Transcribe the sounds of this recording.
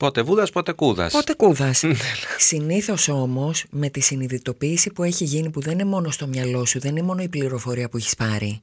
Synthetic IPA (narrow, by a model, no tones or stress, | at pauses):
po̞t̪e̞vuðɐspo̞t̪e̞kuðɐ̰spo̞t̪e̞kuðɐsnesiniθo̞so̞mo̞sme̞t̪isiniðit̪o̞piːsipue̞çiʝinipuðennemo̞no̞st̪o̞mɲɐlo̞suðe̞ninemo̞no̞ipliɾo̞fo̞ɾiɐpuiçi̥spɐɾḭ